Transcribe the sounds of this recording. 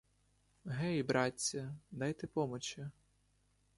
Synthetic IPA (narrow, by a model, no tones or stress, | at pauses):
ɦɛibɾʔɑtʲːɐd̪ɑjt̪epɔmɔt͡ʃɪ